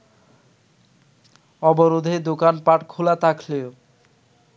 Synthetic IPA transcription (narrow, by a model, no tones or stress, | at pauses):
ɔboɾod̪ʱed̪okanpaʈkʰulat̪akʰleo